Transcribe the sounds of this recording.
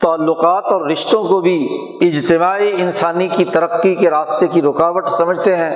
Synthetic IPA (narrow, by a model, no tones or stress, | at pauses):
t̪aːlːʊqaːt̪ɔːɾːɪʃt̪õkobʱi | ɪd͡ʒt̪ɪmaːiɪnsaːnikit̪ɐɾəqːikeɾaːst̪ekiɾʊkaːʋəʈsɐməd͡ʒʱt̪eɦɛ̃ː